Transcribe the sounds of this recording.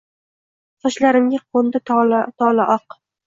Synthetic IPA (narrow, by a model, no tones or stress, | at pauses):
sɒʃlaɾɪmɡʲaqʰond̪alt̪ʰɒlaʔɒq